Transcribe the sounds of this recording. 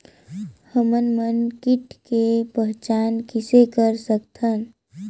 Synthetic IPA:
həmənmənkiʈkepəɦt͡ʃaːnkisekəɾsəkt̪ʰən

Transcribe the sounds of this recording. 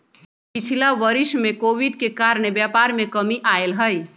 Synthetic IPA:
pit͡ʃʰilaʋəɾismekowiɖkekaɾɳebjapaɾmekəmiʔaelɦəj

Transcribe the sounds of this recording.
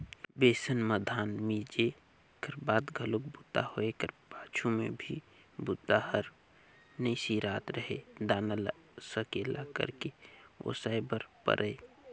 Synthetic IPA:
beːsənməd̪ʱaːnmiːd͡ʒe | kəɾbaːt̪ɡʱəlʊk̚bʊt̪a̰hoekəɾpaːt͡ʃʰumḛ̃bʱi | bʊt̪ːahəɾ | nəisiɾaːt̪ɾəɦḛd̪aːnəl | səkela̰kə̰ɾkeo̰saːebəɾpə̰ɾʔəe

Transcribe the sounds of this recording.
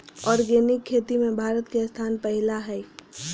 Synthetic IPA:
ɔːɾɡeːnɪkʰːeːt̪imẽbʱaːɾət̪kest̪ʰaːnpɛɦɪlaɦɛː

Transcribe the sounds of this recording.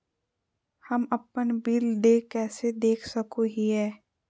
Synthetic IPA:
həməpənbɪld̪ekɛːsed̪eːkʰsəkoɦiɦɛː

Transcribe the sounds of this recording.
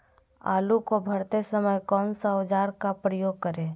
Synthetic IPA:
a̰ːlukobʱəɾt̪esəməjkɔːnsaʊd͡ʒaːɾkapɾəjoːɡ̚kəɾẽː

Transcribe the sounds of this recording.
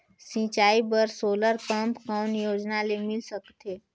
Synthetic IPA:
sĩt͡ʃaːibəɾsoːləɾkəmpkaʊnjoːd͡ʒnalemɪlsəkt̪eː

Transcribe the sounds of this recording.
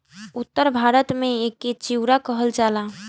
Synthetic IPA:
ʊt̪ːəɾbʱaːɾət̪mẽekːet͡ʃiwɾakəɦəld͡ʒaːla

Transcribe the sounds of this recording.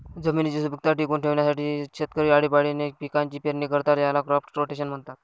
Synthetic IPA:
d͡zəmiːnt͡ɕiːsubʱək̚t̪aʈiːkuːnʈʰeʋɳjasaʈiːɕet̪kəɾiaɽiːpaɽinepikaɲt͡ɕiːpeɾnikəɾt̪aɾjalakɾɔfʈʈɾoʈeɕənm̤əɳt̪at̪̚

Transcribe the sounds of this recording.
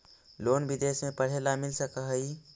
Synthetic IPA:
loːnbid̪esmẽpəɽ̤elamɪlsəkəɦəi

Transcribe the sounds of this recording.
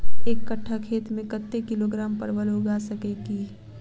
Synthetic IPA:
eːkːəʈʰːakʰeːt̪mẽkət̪ːekɪloɡɾaːmpəɾʋəloːɡaːsəkekiː

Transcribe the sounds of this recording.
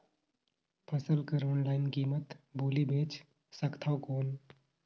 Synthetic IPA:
pʰɐsəlkəɾoːnlaːɪnkiːmət̪boːlibʱeːt͡ʃ | sɐkt̪ʰaʊkoːn

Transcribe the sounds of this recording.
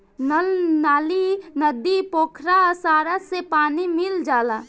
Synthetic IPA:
nəlnaːlinəd̪ipoːkʰɾasaːɾasepaːnimɪld͡ʒaːla

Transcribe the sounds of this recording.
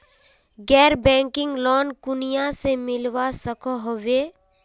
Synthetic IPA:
ɡɛːɾbɛ̃ːŋkɪ̃ŋɡlɔːnkʊnijãsemɪlwasəkoɦoʋeː

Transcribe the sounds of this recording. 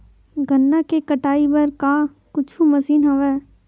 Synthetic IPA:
ɡʱənːakekɐʈaːibɐɾkaː | kʊt͡ʃʰumɐsiːnɦɐʋɛː

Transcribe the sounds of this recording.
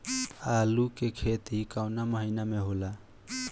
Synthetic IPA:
alukekʰet̪ikawnaməɦinameɦola

